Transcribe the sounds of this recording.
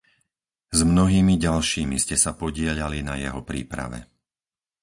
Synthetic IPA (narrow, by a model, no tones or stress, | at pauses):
zmnɔɦiːmiɟalʃiːmiscɛsapɔɟɪɛʎalinajɛɦɔpɾḭːpɾa̰ʋɛ̰